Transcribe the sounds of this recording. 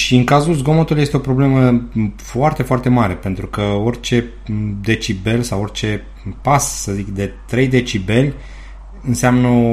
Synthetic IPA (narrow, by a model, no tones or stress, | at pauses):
ʃiɨŋkazulzɡo̞mot̪uluje̞st̪eo̞pɾo̞ble̞məfoart̪e̞foart̪e̞maɾe̞pe̞nt̪ɾukəo̞rʲt͡ʃe̞ | d̪e̞t͡ʃibe̞lsaworʲt͡ʃe̞ | pasːəzikd̪e̞t̪ɾe̞jd̪e̞t͡ʃibe̞lʲ | ɨnseamnə